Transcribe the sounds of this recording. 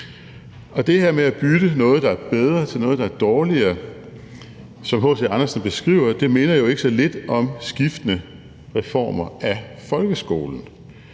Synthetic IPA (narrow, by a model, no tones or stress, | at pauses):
ɒ̽d̥e̝heɐ̰meæb̥yd̥ənɔ̽ːð̞̩ˠd̥ɑ̈æɐb̥eð̞ˠʁɐt͡sʰe̝lnɔ̽ːð̩ˠd̥ɑ̈æɐd̥ɒːliɐ | sɒ̽mɦɔ̽ːseɑ̈nɐsn̩b̥e̝sɡ̥ʁḭːʊ̰ɐd̥e̝me̝ːnɐjo̝e̝ɡ̥ə̥sɒ̽le̝d̥ɒ̽msɡ̥ifd̥ənə | ʁɛfɒ̰ːmɐʔæfɒ̽lɡ̥əsɡ̥o̝̰ːln̩